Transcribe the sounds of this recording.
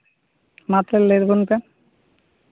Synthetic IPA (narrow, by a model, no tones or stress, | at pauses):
mat̪ɾeleɾbonpe